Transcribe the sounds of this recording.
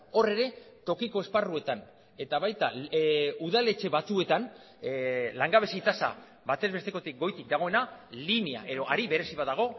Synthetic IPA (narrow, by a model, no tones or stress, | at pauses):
o̞re̞ɾe̞t̪o̞kiko̞e̞sparue̞t̪an | e̞t̪aβajt̪a | uðale̞t͡ʃe̞βat͡sue̞t̪an | laŋɡaβ̞e̞seit̪asa̰ | bat̪e̞zβe̞st̪e̞ko̞t̪ik̚ɡo̞jt̪ik̚d̪aɣ̞o̞e̞nalinia̰ʔe̞ðo̞ʔaɾiβe̞ɾe̞siβaðaɣ̞o̞